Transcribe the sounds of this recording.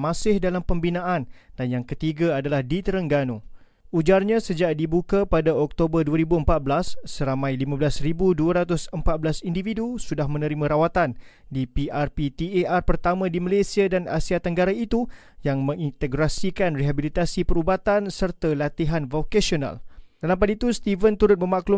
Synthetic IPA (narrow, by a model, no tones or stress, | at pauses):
mãsɪhdalampəmbinãʔand̥anjaŋkət̪iɡaadalahdit̪əɾəŋɡanũ | ud͡ʒarɲãsəd͡ʒaʔdibukapadaɔk̚t̪obərduaɾibuəmpat̪̚bəlasːəɾamãjlimãblasɾibuduaɾat̪ʊsəmpat̪̚bəlasindividusudahmə̃nə̃ɾimãɾawat̪an | dipiʔarpit̪ieʔarpərt̪amãdiməlesiadana̰siat̪əŋɡaɾait̪u | jaŋmə̃ŋint̪əɡɾasikanriɦabilit̪asipəɾubat̪ansərt̪alat̪iɦanvokasiona̰ld̥alampadit̪ust̪ivənt̪uɾʊt̪̚mə̃maklu